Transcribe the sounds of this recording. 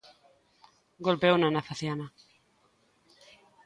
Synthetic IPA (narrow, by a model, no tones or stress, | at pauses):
ɡolpewnanaθaθjana